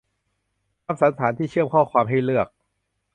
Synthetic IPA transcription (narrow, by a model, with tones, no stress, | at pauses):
a˧msa˩˦nt̪ʰaː˩˦nt̪ʰiː˥˩t͡ɕʰɯ˥˩əmkʰɔː˥˩kʰwaː˧mɦa˥˩jlɯ˥˩ək̚